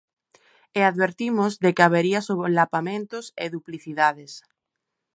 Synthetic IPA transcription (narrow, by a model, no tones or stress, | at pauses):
eaðβeɾt̪imozðekeaβeɾiasoβlapamẽnt̪oseðupliθiðaðes